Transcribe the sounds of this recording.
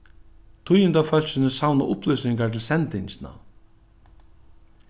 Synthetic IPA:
t̪ʰʊjɪnt̪aːfœl̥sɪnɪsawna̰ʔʊplʏɥsnɪŋkat̪ʰɪlsɛnt̪ɪɲsna̰

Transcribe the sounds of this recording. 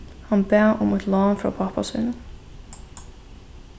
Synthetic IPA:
hanbɛːʔʊmɛt̪lɑnfɾa̰pʰapa̰sṵːnʊn

